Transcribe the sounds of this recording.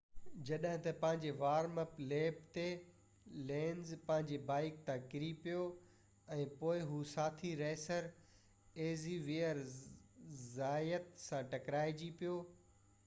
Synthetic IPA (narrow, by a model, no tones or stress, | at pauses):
d͡ʑɐɗɦɪ̃t̪ɐpɐ̃ɦɪ̃ɲd͡ʑeʋaːɾməpleːpt̪e | lẽːnzpɐ̃ɦɪ̃ɲd͡ʑebaːɪk̚t̪ãkɪɾipijo | ɛ̃ːpoːɪɦusaːt̪ʰiɾɛːsəɾ | eːziʋiəɾ | zaːjət̪sãʈɐkɾaːɪd͡ʑipijoː